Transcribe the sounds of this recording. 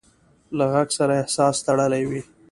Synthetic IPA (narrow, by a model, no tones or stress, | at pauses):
laɣaɡsaɾaɪhsɑst̪aɽəlajwi